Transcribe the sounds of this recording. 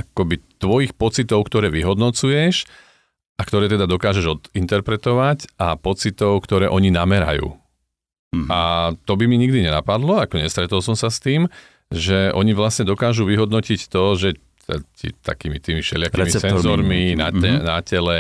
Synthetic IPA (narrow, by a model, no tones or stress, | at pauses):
ʔakɔbit̪ʋɔjixpɔt͡sit̪ɔʊkt̪ɔɾɛːʋiɦɔd̪nɔt͡sujɛʃ | ʔakt̪ɔɾɛːt̪ɛd̪ad̪ɔkaːʒɛʒɔd̪int̪ɛɾpɾɛt̪ɔʋacʔapɔt͡sit̪ɔʊkt̪ɔɾɛːʔɔɲinamɛɾa̰jṵː | at̪ɔbimiɲiɡd̪iɲɛnapad̪lɔakɔɲɛst̪ɾɛt̪ɔlsɔmsast̪iːm | ʒɛʔɔɲiʋlasɲɛd̪ɔkaːʒuʋiɦɔd̪nɔcict̪ɔʒɛ | t̪ɛ̰cḭt̪a̰kiːmit̪iːmiʃɛ̰lɪakimisɛzɔɾminaɛnacɛlɛ